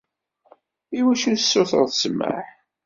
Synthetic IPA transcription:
iwæʃuəsːʊθə̰ððsmːə̰ħ

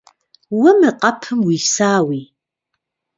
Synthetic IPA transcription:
wɐmɨqʼɐpʰɨmwiːsaːwiː

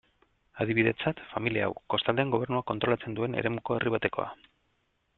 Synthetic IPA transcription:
að̞iβiðe̞t͡sat̪familia̰wko̞st̪ald̪eːŋɡo̞β̞e̞rnuako̞nt̪ɾo̞lat͡se̞nd̪ue̞ne̞̰ɾe̞muko̞e̞rʔiβ̞at̪e̞ko̞̰a̰

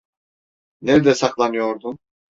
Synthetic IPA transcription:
neɾd̪ɛsaklˠanɯjo̞ɾd̪um

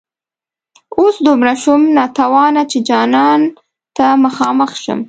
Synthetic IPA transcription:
osd̪omɾaʃumnɑt̪awɑnat͡ʃed͡ʒɑnɑn | t̪aməxɑməxʃə̰m

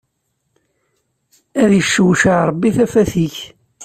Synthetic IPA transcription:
æðjəʃːwʃəʕɾˤəbːiθæfæθiç

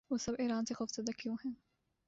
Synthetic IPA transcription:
ʋoːsɐbeːɾaːnsexoːfz̥ɐd̪akjõːɦɛ̃ː

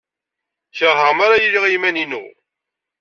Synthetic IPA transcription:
çəʁɦəʁmaɾajiɾiʁimæninṵ

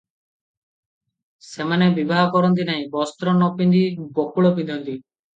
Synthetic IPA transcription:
semanebibaɦɔkɔɾɔnt̪̬inaɦĩbɔst̪ɾɔnɔpind̪ibokuɭɔpind̪ʱɔnt̪i

